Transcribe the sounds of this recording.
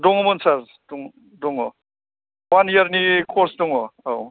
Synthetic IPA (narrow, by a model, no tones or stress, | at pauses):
dɔŋɔmɯnsaɾ | dɔŋ | dɔŋɔ | wanijaɾnikʰɔɾsdɔŋɔaw